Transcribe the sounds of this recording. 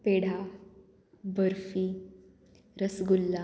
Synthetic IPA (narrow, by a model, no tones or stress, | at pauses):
peɽ̤a | bəɾfi | ɾəsɡulːa